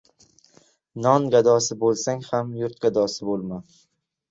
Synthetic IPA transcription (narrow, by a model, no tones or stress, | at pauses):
nɒnɡad̪ɒsɪbolˠsaŋhamjʊɾt̪̚ɡad̪ɒsɪbolˠman